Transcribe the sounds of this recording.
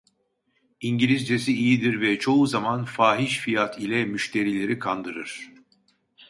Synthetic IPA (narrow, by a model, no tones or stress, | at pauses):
iɲɟilʲizd͡ʒesiijid̪iɾvɛt͡ʃʰo̞uzamanfaːɦiʃfijat̪ʰilʲɛmyʃt̪ʰe̞ɾilʲe̞ɾikʰand̪ɯɾɯɾ̥